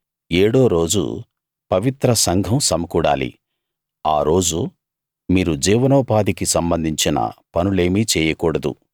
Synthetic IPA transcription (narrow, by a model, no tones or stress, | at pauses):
eːɽo̞ːɾo̞ːd͡ʒṵ | pɐʋit̪ɾɐsɐŋɡʱɐmsɐmɐkuːɽa̰ːlḭ | aːɾo̞ːd͡ʒu | miːɾud͡ʒiːʋɐnɔːpaːd̪ikisɐmbɐnd̪ʱiɲt͡ʃinɐ̰pɐnuleːmiːt͡ʃɛːjɐkuːɽɐd̪ṵ